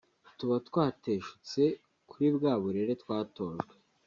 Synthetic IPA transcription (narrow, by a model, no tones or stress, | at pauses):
tuβatwaːte̞ːʃu̥t͡se̞ | kuɾibɡaːβuɾe̞ɾe̞twaːto̞ːʒɡwe